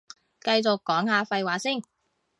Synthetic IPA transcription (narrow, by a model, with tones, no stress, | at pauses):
kɐ˧jt͡sʊ˨kːɔː˨˥ŋhaː˨˧fɐ˧jwaː˨˥siː˥˩n